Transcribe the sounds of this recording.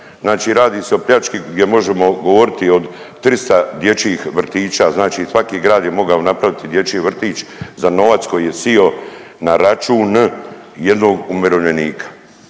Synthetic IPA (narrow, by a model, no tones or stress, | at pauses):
znaːt͡ʃiːɾaːd̪iːse̞o̞pʎʲat͡ʃkiɡd̪je̞mo̞ʒe̞mo̞ɡo̞ʋo̞ɾit̪io̞d̪t̪ɾist̪ad̪je̞t͡ʃiːxʋr̩t̪iːt͡ʃaːznaːt͡ʃiːsʋakiːɡɾaːd̪je̞mo̞ɡaonapɾaʋit̪id̪je̞t͡ʃiːʋr̩t̪iːt͡ʃzano̞ʋat̪sko̞jiːje̞sionaɾat͡ʃuːn | jed̪no̞ːɡumeɾoʋʎe̞niːkʰḁ